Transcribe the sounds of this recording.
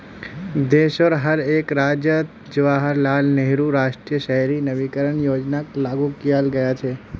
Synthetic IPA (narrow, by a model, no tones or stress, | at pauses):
d̪eʃəɾɦəɾekɾad͡ʒət̪ | d͡ʒəʋaɦəɾlalneɦɾuɾaʃʈɾijəʃəɦɛɾinəʋikəɾəɳjod͡ʒnaklaɡũkijalɡəjat͡ʃʰe